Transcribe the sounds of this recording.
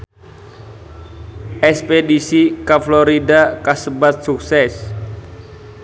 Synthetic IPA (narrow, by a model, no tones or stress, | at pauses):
ʔɛspedisikafloɾidakasəbat̪̚suk̚sɛs